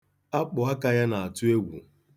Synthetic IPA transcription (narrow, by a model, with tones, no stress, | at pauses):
a˦k͡pʊ˨ɦa˦ka˦ja˦na˨a˨tʊ˦e˦ɡʷṵ˨